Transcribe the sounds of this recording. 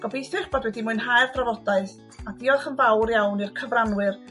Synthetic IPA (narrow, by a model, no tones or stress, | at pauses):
ɡ̥ɔbejθɪrb̥ɔdwɛdimʊɨnɦajrpʰrɔvɔdaɨθ | adiɔχənbawrjawnirkʰəvranwɨr